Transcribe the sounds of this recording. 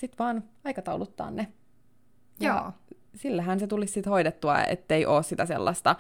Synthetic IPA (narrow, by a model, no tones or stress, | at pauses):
sit̪ʋɑːnɑikɑt̪ɑwlut̪ːɑ̰ːnːe | jɑ̰ | silːæɦænset̪ulissit̪hoidet̪ːuɑ̰ḛt̪ːeiʔoːssit̪æsḛlːɑ̰st̪ɑ